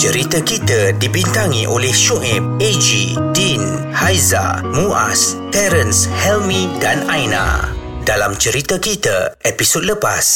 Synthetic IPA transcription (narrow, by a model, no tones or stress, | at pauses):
t͡ʃəɾit̪akit̪ədibint̪aŋiʔolɛhʃoʔɛp̚ed͡ʒidin | hajza̰mũʔa̰st̪ɛɾənshɛlmĩdanajnã̰ | dalamt͡ʃəɾit̪akit̪əepisod̚ləpas